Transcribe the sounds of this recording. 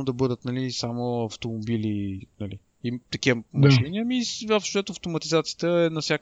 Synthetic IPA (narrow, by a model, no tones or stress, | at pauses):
od̪ɐbɤd̪ət̪nɐlisamoɐft̪omobilinɐli | it̪ɐkiəmd̪aʃɛnʲiɐmivɐfʃt͡ʃɛt̪oɐft̪omɐt̪izat̪sijə̥t̪əɛnɐsjak